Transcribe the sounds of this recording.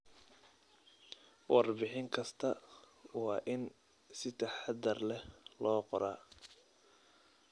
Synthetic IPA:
wɑrbɪħɪŋkʰɐst̪ʰɐ | wɑːʔɪn | sɪt̪ʰɐħad̪ɐrlɛhlɔːqɔɾaː

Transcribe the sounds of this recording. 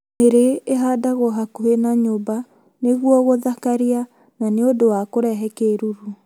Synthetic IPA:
neɾeeɦaːdaɣoɦakuenaɲoːba | neɣwɔɣoðakaɾia | naneodowakoɾɛɦɛkeɾuɾu

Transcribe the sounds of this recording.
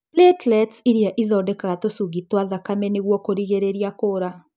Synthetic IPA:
lɛtlɛtsiɾiaʔiðɔːdɛkaɣatosuɣitwaðakamɛneɣwɔkoɾiɣeɾeɾiakoːɾa

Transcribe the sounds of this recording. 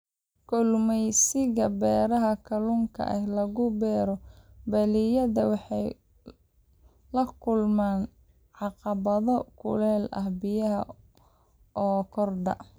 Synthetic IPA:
kʰʊlmɛjsɪɣɐbɛːɾɐɦɐkʰɐlʊŋkʰɐ̰ʔɛhlɐɣʊbɛːɾɔbɐlijɐðɐwɑħɑj | lɐkʰʊlmaːn | ʕɑqɑβɐðɔkʰʊ̰lɛːlʔɐhbɪjɐɦɐ̰ | ɔːkʰɔrd̪ɐ̰

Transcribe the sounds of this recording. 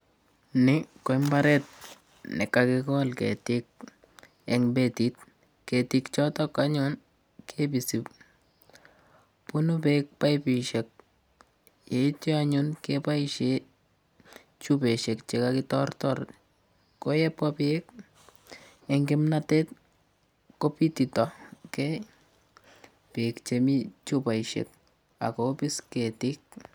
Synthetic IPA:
nɪkoɪmbaɾɛt̚ | nɪ̰kːakɪkɔlkḛtɪk̚ | ɛŋbetit̚ | ketikt͡ʃɔtɔkaɲɔn | kʰebisip̚ | pʊnʊpek̚pajpiʃɛk̚ | jet͡ʃiaɲunkepaiʃe | t͡ʃupeʃɛkt͡ʃekakitɔrtɔɾ | kojɛpapek | eŋɡɪmnatɛt̚ | kopititɔkɛ | pekt͡ʃemit͡ʃupajʃɛ̰k̚ | a̰kopisketik̚

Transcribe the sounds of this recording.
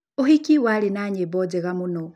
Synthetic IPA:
ohikiwalenaɲebod͡ʒeɣamuno

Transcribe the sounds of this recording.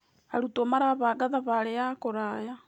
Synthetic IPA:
aɾutomaɾaβaɡaðaβaɾeakoɾaːja

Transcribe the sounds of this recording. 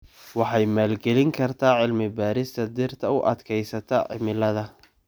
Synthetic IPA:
wɑħɑjmaːlɡɛlɪŋkʰɐrt̪ʰaːʕɪlmɪbaːɾɪst̪ʰɐd̪ɪrt̪ʰɐʊʔɐ̰d̪kʰɛjsɐt̪ʰɐʕɪ̰mɪlɐðɐ

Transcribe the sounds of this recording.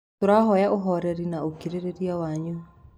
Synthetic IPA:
toɾaɦɔjaʔoɦɔɾɛɾinaokiɾeɾeɾiawaɲu

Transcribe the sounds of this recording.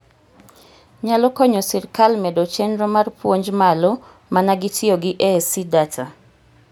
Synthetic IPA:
ɲalɔkɔɲɔsɪɾkalmɛdɔt͡ʃɛndɾɔmarpwoɲd͡ʒmalɔ | manaɡɪtʰioɡɪʔɛsidatʰa

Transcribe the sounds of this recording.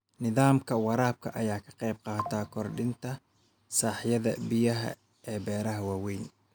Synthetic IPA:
nɪðaːmkʰɐwɑɾaːb̚kʰɐ̰ʔɐjaːkʰɐ̥qɑjb̚qɑːt̪ʰaːkʰɔrɖɪnt̪ʰɐ | saːħjɐðɐbɪjɐɦɐ̰ | ɛːbɛːɾɐɦɐwɑːwɛjn

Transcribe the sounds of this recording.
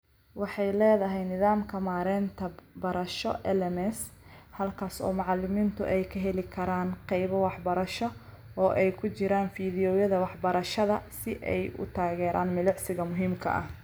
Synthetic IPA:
wɑħɑjlɛːðɐɦɛjnɪðaːmkʰɐmaːɾɛːnt̪ʰɐbɐɾɐʃɔ̰ʔɛlɛmɛshɐlkʰaːsɔ̰ːmʊʕɑlɪmiːnt̪ʰʊ̰ʔɛjkʰɐɦɛlɪkʰɐɾaːnqɛjβɐwɑħbɐɾɐʃɔ | ɔːʔɛjkʰʊt͡ʃɪɾaːnfiːðɪjɔːjɐðɐwɑħbɐɾɐʃɐðɐsɪʔɛ̰jʊ̰t̪ʰaːɣɛːɾʔa̰ːnmɪlʊʕsɪɣɐmʊɦiːmkʰɐ̰ʔɐ̰h

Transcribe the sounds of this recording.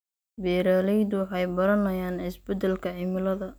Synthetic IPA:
bɛːɾaːlɛjd̪ʊwɑħɑjbɐɾɐnɐjaːnɪsbɛd̪ɛlkʰɐʕɪmɪlɐðɐ

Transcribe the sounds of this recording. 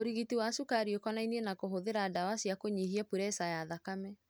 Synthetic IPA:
oɾiɣitiwasukaɾiokɔnainenakoɦoðeɾaːdawasiakoɲiɦiapuɾɛsajaðakamɛ

